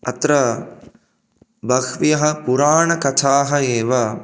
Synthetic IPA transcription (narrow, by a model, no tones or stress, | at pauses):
ɐt̪ɾɐ | bɐkʋjɐɦɐ̆puɾaːɳɐkɐt̪ʰaːɦɐeːʋɐ